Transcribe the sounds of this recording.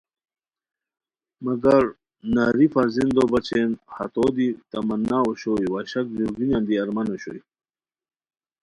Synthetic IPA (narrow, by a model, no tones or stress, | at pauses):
mɐɡɐɾ | naːɾifaɾzind̪obɐt͡ɕʰenhɐ̰t̪oːd̪it̪ɐmɐnːaoɕojwaɕɐk̚duɡinand̪iɐɾmanoɕo̰i